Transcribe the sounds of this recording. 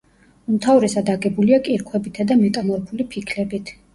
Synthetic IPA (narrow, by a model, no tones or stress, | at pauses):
umt̪ʰavɾɛsad̪aɡɛbuliakʼiɾkʰwɛbit̪ʰad̪amɛt̪ʼamɔɾpʰulipʰikʰlɛbit̪ʰ